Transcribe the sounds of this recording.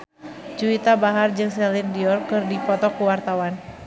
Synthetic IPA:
d͡ʒuit̪abaɦard͡ʒɨŋsɛlindiɔrkɨrdipɔt̪ɔkuwart̪awan

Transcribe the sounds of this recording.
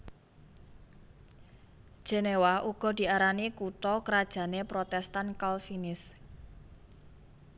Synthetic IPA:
d̥ʒ̥e̤newaʔuɡ̥ɔ̤d̪̥i̤aɾanikuʈ̪ɔkəɾad̥ʒ̥a̤nepɾot̪ɛst̪ankalfinɪs

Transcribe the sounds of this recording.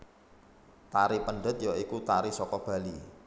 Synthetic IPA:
t̪aɾipəɳɖət̪̚joikut̪aɾisɔkɔb̥ä̤li

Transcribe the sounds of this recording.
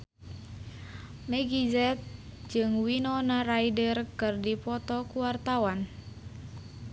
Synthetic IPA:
mɛɡizɛt̪̚d͡ʒɨŋwinɔnaraidərkɨrdipɔt̪ɔkuwart̪awan

